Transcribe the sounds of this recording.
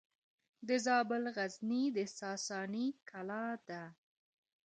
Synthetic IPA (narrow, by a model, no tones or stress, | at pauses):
d̪əzɑbɪlɣaznid̪əsɑsɑnikʰalɑd̪a